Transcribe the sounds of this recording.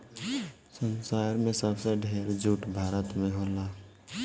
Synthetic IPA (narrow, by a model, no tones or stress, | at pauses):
sənsaːɾmẽsəbseɖʱeːɾd͡ʒuʈbʱaːɾət̪mẽɦoːlaː